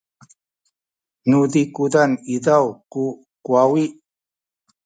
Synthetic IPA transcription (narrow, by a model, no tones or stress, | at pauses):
nudikudanidawku | kuawiʔ